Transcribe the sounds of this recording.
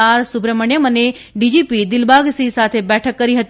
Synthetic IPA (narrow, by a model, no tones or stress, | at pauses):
aːɾsʊbɾəməɳjəməne | ɖid͡ʒipid̪ɪlbʱaɡsisat̪ʰebɛʈʰəkːəɾiɦət̪